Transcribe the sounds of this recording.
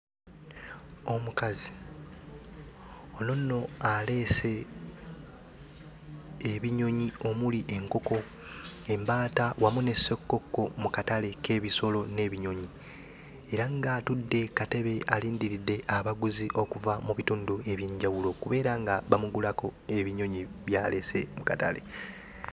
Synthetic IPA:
o̞mukazi | ononːo̞ale̞ːse̞ | βiɲo̞ɲio̞muliʔe̞ŋko̞ko̞ | e̞mbaːtawʔamune̞sokːo̞kːo̞mukatale̞kʰe̞ːβiso̞lo̞ne̞ːβiɲo̞ɲi | e̞ɾaŋɡatudːe̞kate̞βe̞ʔaliːndiɾidːe̞ʔaβaɡuziʔo̞kuvamuβituːndue̞βje̞ɲɟawulo̞kuβe̞ːɾaŋɡaβamuɡulako̞e̞βiɲo̞ɲiβjaːle̞se̞mukata̰le̞̰

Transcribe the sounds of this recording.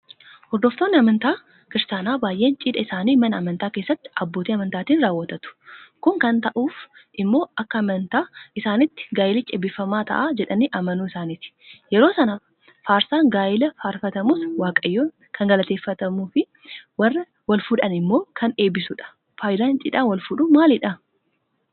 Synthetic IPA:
hɔɾd̪oft̪o̞ːnːɪɐmɐnt̪aː | kɪɾst̪aːnaːbaːjʔe̞ːnt͡ʃʼiːᶑɐɪsaːniːmɐnɐːmɐnt̪aːke̞ːsːɐt̪ːɪ̥ɐbːo̞ːt̪iːɐmɐnt̪aːt̪iːnɾaːwːɐt̪ɐt̪ʊ̥kʊŋkɐnt̪ɐʔuːfʔɪmːo̞ːʔɐkːɐːmɐnt̪aːʔɪsaːnɪt̪ːɪ̥ɡaːjɪlɪt͡ʃʼɛbɪfɐmaːt̪ʰɐ̰ʔaːd͡ʒɛᶑɐniʔɐmɐnuːɪsaːnit̪ɪ̥jɛɾo̞ːsɐnɐ | faːɾsaːŋɡaːjɪlɐfaːɾfɐt̪ɐmuːswaːkʼɐjːoː | kʰɐŋɡɐlɐt̪eːfːɐt̪ɐmuːfɪ | wɐrːɐ | wɐlfʊᶑɐnɪmːo̞ːkʰɐneːbɪsʊᶑɐ̥ | faːjd̪aːnt͡ʃʼḭːᶑaːnwɐlfʊᶑʊmaːlɪᶑɐ

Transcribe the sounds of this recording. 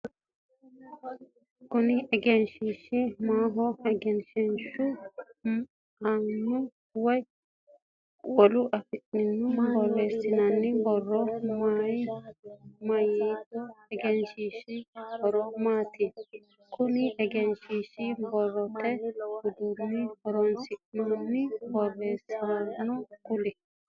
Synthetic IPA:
kʊnɪɛɡɛnʃiʃimaːɦɔɛɡɛnʃɛnʃu | anːʊ | wɐj | wɔluʔɐfɪʔːɪnːʊbɔrːeːsːɪnɐnːɪbɔrːɔmaj | mɐjiɛɡɛnʃiʃibɔɾoːmaːt̪i | kʊniʔɛɡɛnʃiʃibɔrːɔt̪ɛhʊd̪unːihɔɾɔnsɪʔnonːɪbɔrːeːsːɪnɐnːʊkʊlɛ

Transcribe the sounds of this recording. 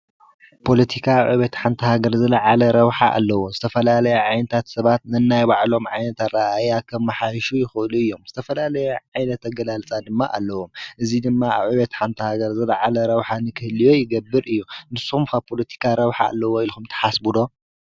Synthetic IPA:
pʰo̞lɐt̪ʰikʰaβʕuβet̪ħant̪ʰɐhaɡɐɾzɐlɐʕalɐɾɐβħaʔa̰lːɐwozɨt̪ʰɐfɐlalɐjɛʕajnɐt̪ʰat̪sɐβat̪nɨnːajbaʕlo̞mʕajnɐt̪ʰat̪ɾɐʔajakʰɐmːɐħajʃujɪxɨɨluɨjːo̞mz̥ɨt̪ʰɐfɐlalɐjɛʕajnɐt̪ɐɡɐlalt͡sʼad̪ɨmːa̰ʔa̰lːɐwo̞mʔɨzid̪ɨmːaaβʕuβet̪ħant̪ʰɐhaɡɐɾzɐlɐʕalɐɾɐβħanɨkʰɨhɨlijo̞jɪɡɐbːɨɾɨjːunɨsːuxumkʰapʰo̞lɐt̪ʰi̥kʰaɾɐβħaa̰lːɐwoilxumt̪ʰɐ̥ħasbud̪o̞

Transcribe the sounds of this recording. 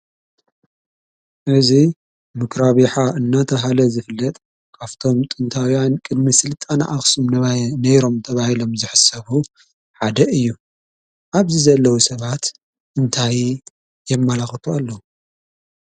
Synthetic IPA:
ʔɨzi | mɨkʰɾaβiħaɨnːat̪ʰɐɦalɐzɨfɨlːɐt̪ʼ | kʰaft̪ʰo̞mt̪ʼɨnt̪ʰawijankʼɨd̪misɨlt̪ʼana̰ʔaxsumnnɐjɾo̞mt̪ʰɐβahilo̞mzɨħɨsɐβu | ħad̪ɐɨjːu | ʔaβzizɐlːɐwusɐβat̪ | ʔɨnt̪ʰaj | jɛmːalaxt̪ʰualːɐu

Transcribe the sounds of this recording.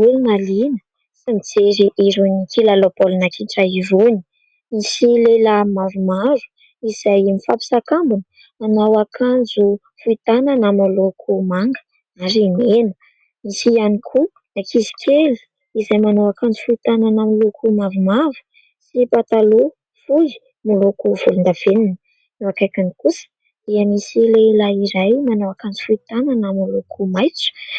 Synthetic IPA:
ulumalinə | simid͡zeɾiʔiɾuɲikʰilalopolnakʰiʈ͡ʂaivuni̥ | misilelamavumavu̥ | iz̥ajimifapi̥sakambunə | manawakʰand͡zu | fuit̪ananamalokʰumaŋɡə̥ | aɾinenə | misianikʰu | d̪akizi̥kʲʰeli̥ | izajmanawakand͡zufuit̪ananamlokʰumavumavu̥ | sipat̪alo | fuli̥ | malokuv̥ulund̪av̥eninə | newakajkanikus | iamisileilaiɾajmanowakand͡zufuit̪ananamalokʰumajt͡su̥

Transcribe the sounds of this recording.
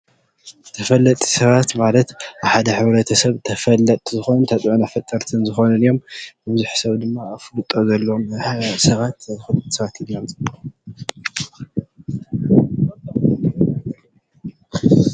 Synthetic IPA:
ɨt̪ʰɐfɐlːɐt̪ʼi̥sɐβat̪malɐt̪aβħad̪ɐħɨβɾɐt̪ʰɐsɐβt̪ʰɐfɐlːɐt̪ʼzɨxo̞nnt̪ʰɐt͡sʼʕunafɐt̪ʼːɐɾt̪ʰɨnzɨxo̞nɨnɨjo̞mbɨbɨzuħsɐβd̪ɨmːaːflɨt̪ʼozɐlːɐmsɐβat̪zɨxɨlt̪sɐβat̪iljomt͡sʼɨb

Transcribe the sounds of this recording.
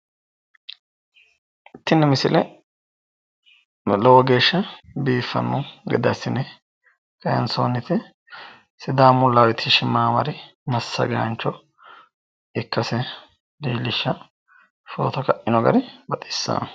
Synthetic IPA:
ɪt̪ːɪnːɛmɪsɪlʔɛ | lɔwɔɡe̞ːʃːɐbiːfːɐ̰nːɔɡɛ̰d̪ɐsːɪnɛ | kɐjɐ̰nsoːnːɪt̪ɛ | sɪd̪aːmʊlːawɛt̪ʰːɪʃɪmːaːmɐ̰ɾɪmɐsːɐ̰ɡɐɐ̰nt͡ʃːɔ | ɪkːɐsɛ | diːlːɪʃːɐ | fo̰ːt̪ɐkɐʔɪnɔɡɐ̰ɾɪbɐt̪ʼɪ̥sːa̰

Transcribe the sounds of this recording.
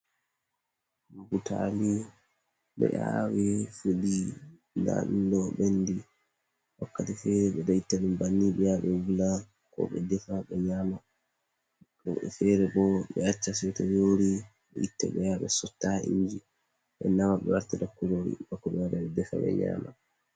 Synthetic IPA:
butali | ɓɛ̰ʔawifudi | na̰ɗndɔɓendi | wakːatɛfɛɾɛɓɛdaitːanumbanːiɓɛjaɓɛwula | kɔ̰ɓɛdɛfaɓɛɲama | ɔɛfɛɾɛbɔɓɛat͡ʃːasɛtɔjoɾi | ɓɛʔitːɛɓɛjaɓɛ̰sɔtːaḭɲd͡ʒi | ɓɛ̰namaɓɛwaɾtɛdakːuloɾḭbakːɔɓɛwaɾaɛdɛfa̰ɓɛ̰ɲa̰ːma̰

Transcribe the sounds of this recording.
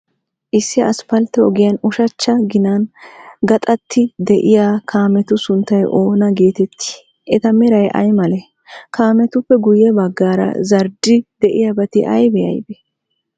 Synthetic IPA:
ʔɪsːɪɐspɐlt̪ːɛɔɡɪjɐnʊʃɐt͡ʃːɐɡɪnɐnɡɐt̪ʼɐt̪ʰːɪd̪ɛʔɪjaːkʰaːmɛt̪ʊsʊnt̪ːɐjʔo̞ːnɐɡeːt̪ɛt̪ːi̥ | ɛt̪ɐmɪɾɐjʔɐ̰jmɐlɛ | kaːmɛt̪ʊpːɛɡʊjɛbɐɡːaːɾɐ̰zɐɾd̪ɪd̪ɛʔɪjɐbɐt̪ɪʔɐ̰jbɛjɐ̰jbɛ

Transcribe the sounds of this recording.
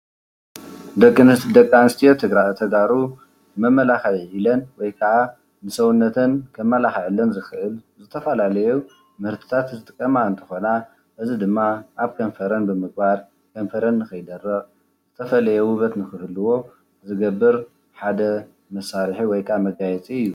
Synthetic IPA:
d̪ɐkʼːɨnɨst̪id̪ɐkʼːanɨst̪ʰijot̪ʰɨɡɾaʔt̪ʰɐɡaɾu | mɐmːɐlaxaʕʕilɐnwɔjkʰɐʕa | nɨsɐwunːɐt̪ʰɨnkʰɐmːɐlaxʕɨlːɐnzɨxɨʔɨlzɨt̪ʰɐfɐlalɐju | mɨhɾt̪ʰɨ̥t̪ʰat̪zɨt̪ʼɨkʼːɐmaɨnt̪ʰɨ̥xo̞na | ʔɨzid̪ɨmːaʔaβkʰɐnfɐɾɐnbɨmɨɡ̚baɾ | kʰɐnfɐɾɐnːɨxɐjd̪ɐrːɐɣ | zɨt̪ʰɐfɐlɐjɛwɨβɐt̪nɨxɨhɨlɨwo̞ | zɨɡɐbːɨɾ | ħad̪ɐ | mɐsːaɾħiwɔjkʰʼamɐɡajɛt͡sʼiɨjːu

